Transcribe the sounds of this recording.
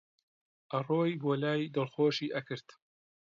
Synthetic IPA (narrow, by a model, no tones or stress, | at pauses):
ʔɐroːjboːlaːjd̪ɔlˠxoːʃiːʔɐkɨɾt̪